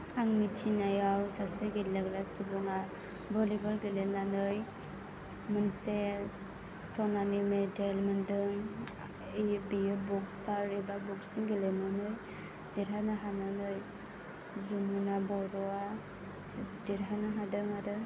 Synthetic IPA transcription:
aŋmitʰinajawsaseɡelaɡlasubɔŋa | bɔlibalɡelenanɯj | mɯnse | sɔnanimedelmɯndɯŋ | ebiɯbɔksaɾibabuksiŋɡelemɯnɯj | deɾɦanaɦananɯj | zumunabɔɾɔa | deɾɦanaɦadɯŋadɯ

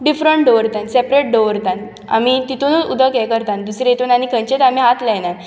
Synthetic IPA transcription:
ɖifɾəɳʈɖoʋəɾt̪ansepɾeʈ̚ɖoʋəɾt̪ãn | a̰mit̪it̪unud̪əkɛkəɾt̪ãnd̪usɾeet̪unanikʰə̃ɲt͡ɕet̪am̤iɦat̪lɛnan

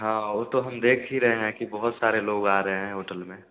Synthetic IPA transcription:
ɦãːoːt̪oɦəmd̪eːkʰɦiɾəɦeɦɛ̃kibəɦʊt̪saːɾeloːɡaːɾəɦeɦɛ̃ɦoːʈəlmẽ

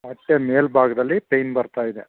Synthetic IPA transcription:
mɐʈːeme̞ːlbʱaːɡɐd̪ɐlːipejnbɐɾt̪aːjid̪e

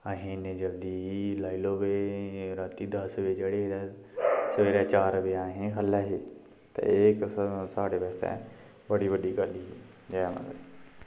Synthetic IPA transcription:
aːɦẽːnẽːd͡ʒəld̪iːilaːiloːʋeːɾaːt̪iːd̪əsʋeːd͡ʒeːɽed̪ɛːsəʋeːɾɛːt͡ʃaːɾəʋeːaːɦẽːkʰəlːɛːɦeː | t̪ḛeːksaːɽeːʋɛːst̪ɛ̰̃ː | bəɽiːʋəɖiːkəliːiː | d͡ʒaːɛːmə̰ɡə̰ɾ

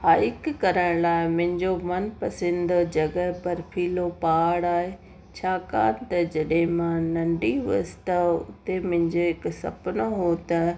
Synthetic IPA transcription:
ɦaːikkɐɾəɽ̃laːɪmʊ̃ɦɪ̃ɲd͡ʑomɐnpɐsɪ̃nd̪d͡ʑɐɡəɦpɐɾpʰiːlopaːɽaːɦe | t͡ɕʰaːka̰ːnɪ̆t̪ɐd͡ʑɐɗɦɪ̃mãnɐ̃ɳɖiɦuəsɪ̥t̪ɐʊ̰t̪emʊ̃ɪ̃ɲd͡ʑoɦɪksɐ̰pnoɦoːt̪ɐ

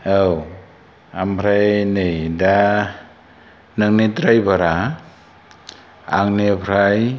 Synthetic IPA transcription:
aw | ampʰɾajnɯjda | nɯŋ̚nitɾajbaɾa | aŋnepʰɾaj

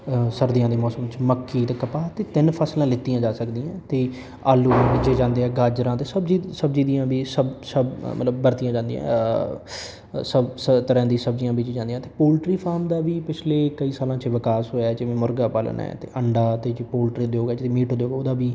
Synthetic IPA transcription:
səɾd̪ijãːd̪eːmɔːsəmt͡ʃməkːiːt̪eːkəpaːt̪eːt̪ɪnpʰaːslãːlɪt̪ːijãːd͡ʒaːsəkd̪iːãːt̪eː | aːlũːʋid͡ʒeːd͡ʒãːnd̪eːɛːɡaːd͡ʒɾãːt̪eːsəbd͡ʒiːsəbd͡ʒiːd̪ijãːbiːsəbsəbmə̰t̪ləbːəɾt̪ijãːd͡ʒãːnd̪ḭ̃jã̰ | səbsət̪əɾãːd̪iːsəb̚d͡ʒijãːbid͡ʒeːd͡ʒãːnd̪ijãːt̪eːpoːlʈɾiːpʰaːɾmd̪aːʋiːpɪt͡ʃʰleːkəiːsaːlãːt͡ʃʋɪkaːsɦoːjaɛːd͡ʒɪʋẽːmʊɾɡaːpaːlə̰na̰ːɛ̰ːt̪ḛːʔəɳɖaːt̪eːd͡ʒpoːlʈɾid̪oːɡɛːd͡ʒt̪emiːʈɦoːd̪joːɡoːd̪aːbiː

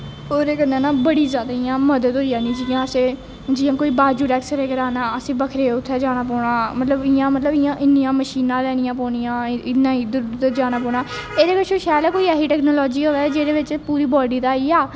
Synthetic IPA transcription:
oːɾeːkənd̪aːnaːbəɽiːzjaːd̪aːɪjãːməd̪əd̪ɦoːijãːnĩːd͡ʒijãːəsẽː | d͡ʒiːãːkoːiːbaːd͡ʒuːɖɛːksəɾeːkəɾaːnaːəsẽːbəkʰɾeːʊt̪ʰːɛːd͡ʒaːɽ̃aːpɔːɽãːmət̪ləbɪjãːmət̪ləbɪjãːʔɪnːijãːməʃiːnãːlɛːɽ̃ɪjãːpɔːɳijãːɪnːãːiːd̪d̪d͡ʒaːñaːpɔːɳaː | eːd̪eːʋɪt͡ʃoːʃaːlaːkoːiːɛːɦiːʈɛːknoːlɔːd͡ʒiːɦoːɛːd͡ʒeːd̪eːʋɪt͡ʃpuːɾiːbɔːɖiːd̪aːiːaː

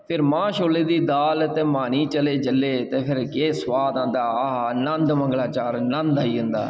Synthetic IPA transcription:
pʰɪɾmãːʃoːleːd̪iːd̪aːlt̪eːmaːniːt͡ʃəleːd͡ʒəlːeːt̪eːpʰɪɾkeːsʋaːd̪ãːnd̪aːaənənd̪məŋɡlaːt͡ʃaːɾnənd̪aːiːʊ̃nd̪a̰ː

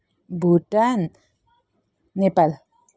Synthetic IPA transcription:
bʱuʈan | epal

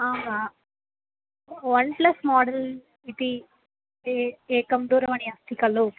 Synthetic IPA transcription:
aːmaː | ʋɐɳplɐsmaːɖɐl | it̪i | eeːkɐmd̪uːɾɐmɐniɐst̪ʰikɐlu

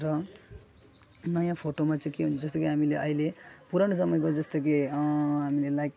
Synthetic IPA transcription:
rʌ | nʌjãpʰoʈomat͡saĩkeɦũnt͡sʰud͡zʌst̪okeɦamileʔʌile | puɾanusʌmʌjɡʌud͡zʌst̪ok̬eɦamilelajk

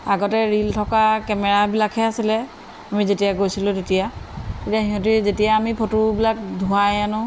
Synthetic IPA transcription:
aɡɔtɛɹiltʰɔkakɛmɛɹabilakʰhɛasilɛ | amizetijaɡojsilʊ̃tetijatetijaɦiɦɔ̃t̬izetijaːmipʰotubilakdʱuajanʊ

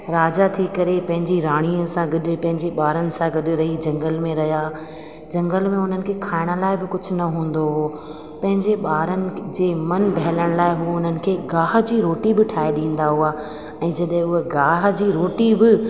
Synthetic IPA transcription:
ɾaːd͡ʑat̪ʰikɐɾepɐ̃ɦɪ̃ɲd͡ʑiɾaːɽ̃iəsãɡɐɗɪ̆pɐ̃ɦɪ̃ɲd͡ʑeɓaːɾənɪ̆sãɡɐɗɪ̆ɾɐɦid͡ʑɐ̃ŋɡəlmẽɾɐɦja | d͡ʑɐ̃ŋɡəlmẽʊn̤ənɪ̆kʰeːkʰaːɪɽ̃ə̆laːɪbɪkʊd͡ʑʱʊ̆nɐɦũːn̆d̪oɦo | pɐ̃ɦɪ̃ɲd͡ʑeɓaːɾənɪ̆d͡ʑeːmɐnbʱɐɦɪləɽ̃laːɪɦuʊn̤ənɪ̆kʰeːɡaːɦd͡ʑiːɾoːʈibɪʈʰaːeɗĩːn̆d̪aɦuaː | ɛ̃ːd͡ʑɐɗɦɪ̃ʊɦeɡaːɦd͡ʑiːɾoːʈibɪ

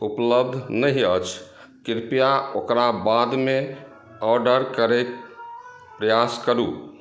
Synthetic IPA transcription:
upləb̚d̪ʱnəɦiət͡ʃʰ | kiɾpijaokɾabad̪me | ɔɾɖəɾkəɾɛk | pɾəjaskəɾṵ

